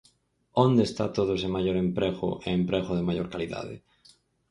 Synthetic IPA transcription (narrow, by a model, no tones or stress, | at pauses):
õnd̪eːst̪at̪oð̞osemaʝoɾempɾeɣo̰ʔeːmpɾeɣoðemajoɾkaliða̰ðḛ